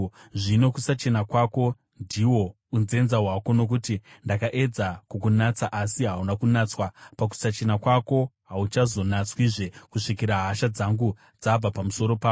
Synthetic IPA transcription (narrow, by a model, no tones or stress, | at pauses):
ʐino̞kusat͡ʃe̞nakwako̞ | ndʱiwo̞ | unze̞nzaɦwako̞no̞k̬utindakaʔe̞d͡zakukunat͡saʔasiɦaunakunat͡swapak̬u̥sat͡ʃe̞nakwako̞ɦaut͡ʃazo̞nat͡swiʐe̞kuʂikiɾaɦaʃad͡zaŋɡu | d͡zab͡vapamuso̞ɾo̞paːo